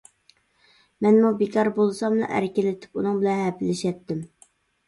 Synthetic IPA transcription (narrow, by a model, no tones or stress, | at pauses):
mɛnmubɪkʰɑɾbolˠsɑmlṵʔæ̰ɾkʲɪlɪt̪ʰɪ̥punɨŋbɪlɛnhɛpɪlɪʃɛt̪ʰːɪm